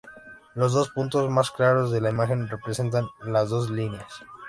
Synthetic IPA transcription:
lo̞zðo̞spunt̪o̞zmasklaɾo̞zðe̞laimaxe̞nre̞pɾe̞se̞nt̪̬anlazðo̞zlineas

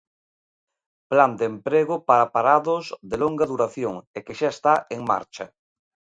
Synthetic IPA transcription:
pland̪empɾeɣʊpaɾapaɾaðʊzðeloŋɡaðuɾaθjoŋekeʃaest̪aeŋma̰ɾt͡ʃa

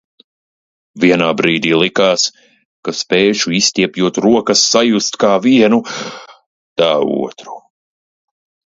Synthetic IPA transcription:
viɛnaːbɾiːd̪iːlˠikaːs | kaspɛːʃuist̪ʲiɛpjuɔt̪ɾuɔkɐsːajust̪kaːviɛnu | t̪aːṵɔt̪ɾu̥

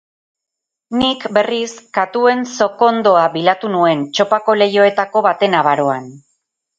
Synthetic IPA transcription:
nikbe̞riskat̪ue̞nso̞ko̞nd̪o̞aβilat̪unue̞nt͡ʃo̞pako̞le̞jo̞e̞t̪ako̞βat̪e̞naβaɾo̞an

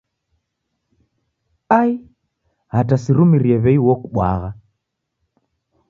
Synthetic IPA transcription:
ai | hatasiɾumiɾiɛβɛiwɔkuɓwa̰ɣa

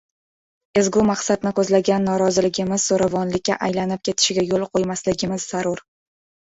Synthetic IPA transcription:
e̞zɡʲʊmaqsad̪nɪkʰɵzlaɡʲanːɒɾɒzɪlɪɡʲɪmɪzːoɾavɒnlɪkʲːaʔajlanɪp̚kʲʰe̞t̪ʰɪ̥ʃɪɡʲajolˠqʰojmaslɪɡʲɪmɪzːaɾʊɾ

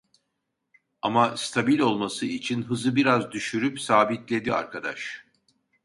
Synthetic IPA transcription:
amast̪ʰabilʲo̞lˠmasɯit͡ʃʰinɦɯzɯbiɾazd̪yʃyɾypsaːbit̪lʲe̞d̪ia̰ɾkʰad̪a̰ʃ

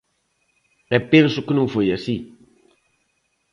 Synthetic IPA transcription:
ɗɛpensukɨnɨfojasi

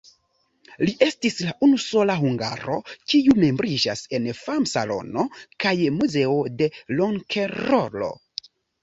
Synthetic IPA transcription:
liʔe̞stislaʔunuso̞laɦuŋɡa̰ɾo̞̰kiume̞mbɾid͡ʒase̞nfamsa̰lo̞̰no̞kajmuze̞ode̞loŋkʰeɾolo̞̰

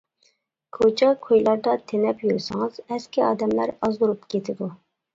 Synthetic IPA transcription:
kʰot͡ʃʰɑkʰojlˠɑɾd̪ɑt̪ʰenɛpjyɾsɪŋɨz̥ɛskʲiɑ̰ːd̪ɛmlæɾɑzd̪uɾupkʰʲet̪ʰɪd̪u

